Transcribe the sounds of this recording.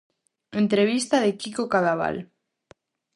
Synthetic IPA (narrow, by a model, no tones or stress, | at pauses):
ent̪ɾeβ̞ist̪aðekikokaðaβ̞a̰l